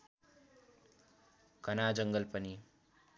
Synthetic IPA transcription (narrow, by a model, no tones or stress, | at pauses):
ɡ̥ʱʌnad͡zʌŋɡʌlpʌni